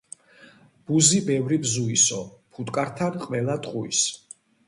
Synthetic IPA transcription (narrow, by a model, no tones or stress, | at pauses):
b̥uzibɛvɾibzuisɔpʰut̪ʼkʼaɾt̪ʰanqʼvɛlˠat̪ʼqʼuḭs